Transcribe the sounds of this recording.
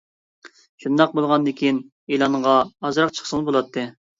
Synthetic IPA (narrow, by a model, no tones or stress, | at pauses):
ʃund̪ɑq̚bolˠʁɑnd̪ɪkʲin | ilˠɑɴʁɑɑzɾɑq̚t͡ʃʰə̥χsəlˠbolˠɑt̪ʰːɨ